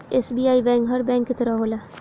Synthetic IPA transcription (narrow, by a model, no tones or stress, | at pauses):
eːsbiːaːibɛ̃ːŋkɦɐɾbɛ̃ːŋkːit̪ɐɾaɦoːlaː